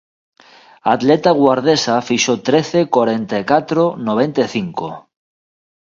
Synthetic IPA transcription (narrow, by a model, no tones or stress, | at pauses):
at̪let̪aɣwaɾðesafiʃot̪ɾeθekwaɾent̪ajkat̪ɾonoβ̞ent̪eθiŋko